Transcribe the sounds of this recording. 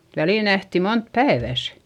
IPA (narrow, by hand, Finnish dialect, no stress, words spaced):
ʋæliˑl næhti mont pæeʋæˑs